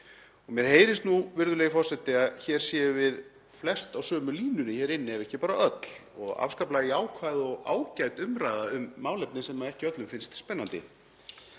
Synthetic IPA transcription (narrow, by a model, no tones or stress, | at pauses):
ɔɣmjɛɾ̥heːjɾɪst̪nuvɪɾðʏlɛːjɪfɔr̥sɛt̪ɪaðçɛɾ̥sjɛːjʏvɪð | flɛst̪awsœːmʏliːnʏnɪçɛːɾɪnːɪɛvɛhcɪpaːɾaœt̪l̥ɔɣa̰fskaplaɣɪaːwkʰvajðɔɣa̰ːwcajt̪ʏmɾajðaʏmːaːwlɛp̚nɪsɛmːaðɛhcɪœt̪lʏmfɪnst̪spɛnːant̪ɪ̰